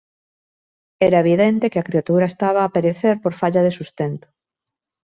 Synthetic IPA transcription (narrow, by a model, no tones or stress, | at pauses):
ɛɾaeβ̞iðɛnt̪ekeakɾiat̪uɾaest̪aβ̞aːpeɾeθeɾpoɾfaʎaðesust̪ent̪o̥ʊ̥